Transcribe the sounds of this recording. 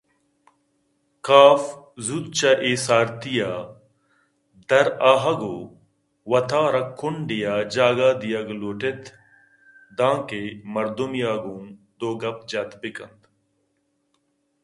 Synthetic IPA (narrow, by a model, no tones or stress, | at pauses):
kaːf | zud̪̚t͡ʃaʔeːsaːɾt̪ijaː | d̪ɐɾaːɦɐɡoː | wɐt̪ʰaːɾɐkʰːʊɳɖijaːd͡ʒaːɡaːd̪ijɐɡloːʈet̪ʰ | d̪ãːkeːmɐɾd̪umjaːɡũː | d̪oːɡɐp̚d͡ʒɐt̪bɪkɐ̰nd̪